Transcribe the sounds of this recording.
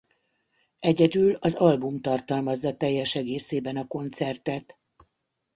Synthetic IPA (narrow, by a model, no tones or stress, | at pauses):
ɛɟɛd̪ylɒzɒlbumt̪ɒrt̪ɒlmɒzːɒt̪ɛjːɛʃɛɡeːseːbɛnɒko̞nt̪sɛrt̪ɛt̪